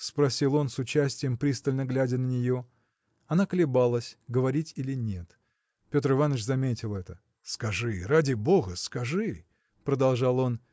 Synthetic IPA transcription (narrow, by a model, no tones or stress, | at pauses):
spɾɐsʲilˠo̞nsʊt͡ɕæsʲtʲɪjəmpɾʲist̪əlʲnəɡlʲædʲənənʲɪjo̞ | ɐnakəlʲɪbalˠəsʲɡəvɐɾʲitʲilʲɪnʲe̞t̪ | pʲo̞t̪rɨvanət͡ɕzɐmʲetʲɪlˠɛt̪ə | skɐʐɨradʲɪboɣəskɐʐɨ | pɾəd̪ɐlˠʐɑlˠo̞n